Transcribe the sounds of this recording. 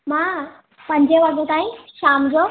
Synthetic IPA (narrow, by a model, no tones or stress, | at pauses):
mãː | pɐ̃ɦɪ̃ɲd͡ʑeʋɐɡʱot̪aːĩʃaːmd͡ʑoː